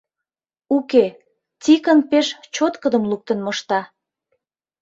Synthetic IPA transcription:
uke | t̪ʲikənpeʃt͡ɕot̪kəd̪əmluk̚t̪ənməʃt̪ɑ

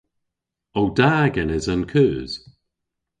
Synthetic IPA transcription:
owdaːɡɛnəzənkʰʉːz̥

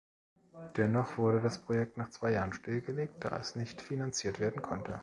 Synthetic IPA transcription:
d̥ɛnɔχv̥ʊɐɾədaspʁ̥ojɛk̚tnaːχt͡sv̥aɪjaːʁənʃtɪlɡəleːk̚t̚d̥a̰ːʔɛ̰snɪçtfinant͡siːɐtv̥eːɐdn̩kʰɔntʰə

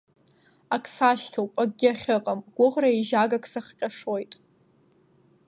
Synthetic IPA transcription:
akʼʰsaʃtʰowpʼaɡ̚ɡʲɪaχʲɨqʼamɡ̥ʷʊʁraiʒaɡakʰʼsaχqʲʼaʂo̞jtʼ

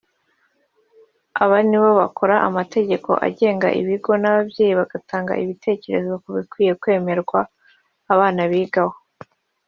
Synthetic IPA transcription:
aβaniβoβako̞ɾaʔamate̞ɟe̞ko̞̰ʔa̰ɟe̞ːŋɡa̰ʔḭβiɡo̞naβabɟe̞ːjiβaɡ̥atʰaːŋɡa̰iβitʰe̞ːce̞ɾe̞zo̞βakuβikwiːje̞kwe̞ːme̞ɾɡwaː | βaːnaβiːɡaho

